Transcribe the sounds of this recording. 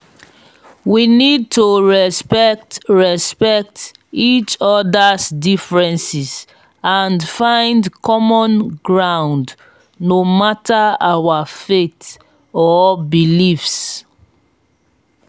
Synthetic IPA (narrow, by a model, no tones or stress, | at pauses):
winid̚toɹɛspɛktɹɛspɛk̚t | it͡ʃɔdasdifɹɛ̃nsis | ãndfãɪ̃ndkʰɔmɔ̃nɡɹãʊ̃nd | nomatʰaawafet | ɔbilifs